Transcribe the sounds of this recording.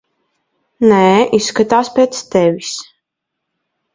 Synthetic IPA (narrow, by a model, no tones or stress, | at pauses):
nɛisːkat̪aːspʲet̪st̪ɛvʲis